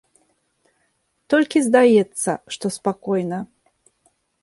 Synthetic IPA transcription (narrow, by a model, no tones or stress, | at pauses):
t̪ɔlʲkʲizd̪ajɛt̪sːɐ̰ʂt̪ɔspakɔjnɐ